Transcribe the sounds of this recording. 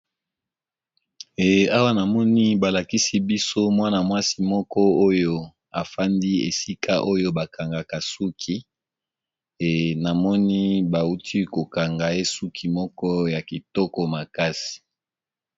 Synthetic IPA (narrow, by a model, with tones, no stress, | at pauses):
e˨a˦wa˦na˨mɔ˦ni˦ba˨la˨ki˦si˦bi˦so˦mwa˦na˨mwa˦si˦mɔ˦kɔ˦o˦jo˦ | a˨fa˦ndi˦ḛ˨si˦ka˦ʔo˦jo˦ba˨kʰa˨ŋɡa˨ka˨su˦kʰi˦ | e˨na˨mɔ˦ni˦ba˨u˦tʰi˦ko˨ka˨ŋɡa˨e˦su˦kʰi˨mɔ˦kɔ˦ja˨ki˨tɔ˦kɔ˨ma˨ka˦si̥˨